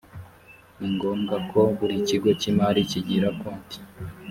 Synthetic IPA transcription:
niŋɡo̞ːmɡakʰo̞βuɾiciɡo̞cimaɾiciɟiɾakoːnti̥

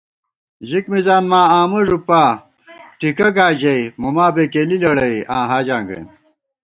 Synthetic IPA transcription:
ʑikmizaːnmaːaːmɐʐupaː | ʈikɐɡaːd͡ʑɐimumaːbekeːlilɐɽɐiã̰ːɦaːd͡ʑaːŋɡɐ̰jm

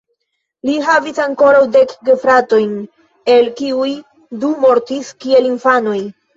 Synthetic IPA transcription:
liɦavisaŋko̞ɾawde̞kɡefɾato̞jn | e̞lkiuj | dumo̞ɾtiskie̞linfano̞j

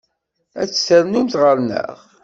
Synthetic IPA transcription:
æ̰t͡sːsəɾnumt̪ʁəɾnə̰ʁ

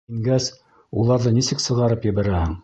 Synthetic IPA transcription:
iŋɡæs | ulˠɑɾðɤnisɘksɤ̆ʁɑɾɤpjɘ̆βæɾæhɘŋ

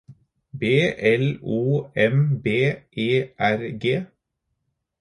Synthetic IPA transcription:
beːʔɛluːɛmbeːʔeːʔæɾɡeː

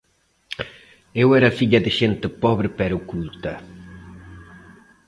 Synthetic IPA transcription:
ewɛɾɐfiʎɐðɪʃent̪epɔβɾɪpɛɾukult̪ɐ

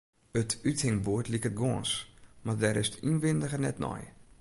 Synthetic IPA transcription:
ətythɪŋboətliəkət̚ɡɔənsmardɛɾɪstʰynʋɪndəɣənɛ̰tnɔ̰j

